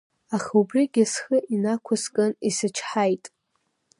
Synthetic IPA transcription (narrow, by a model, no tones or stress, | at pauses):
aχubriɡʲɪsχəʔinakʷʰaskʼɨnisɨt͡ʃʰħajtʼ